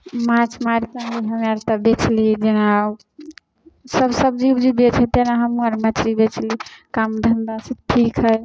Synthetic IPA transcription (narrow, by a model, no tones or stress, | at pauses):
mãt͡ʃʰmaɾkanɡiɦəmaɾt̪əbet͡ʃʰlid͡ʒena | səbsəbd͡ʒibd͡ʒibet͡ʃʰet̪enaɦəmuəɾmət͡ʃʰɾibet͡ʃʰlikamd̪ʱənd̪asẽʈʰikɦəj